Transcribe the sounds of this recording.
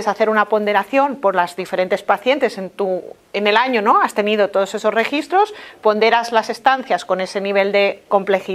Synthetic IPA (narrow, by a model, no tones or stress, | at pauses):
esaθe̞ɾunapo̞nd̪e̞ɾaθjo̞mpo̞ɾlazðife̞ɾe̞nt̪e̞spaθje̞nt̪e̞se̞nt̪u | ene̞laɲono̞ast̪e̞nið̞o̞t̪o̞ð̞o̞se̞so̞zre̞xist̪ɾo̞spo̞nd̪e̞ɾazlase̞st̪an̟θjasko̞ne̞se̞niβ̞e̞ld̪e̞ko̞mple̞xi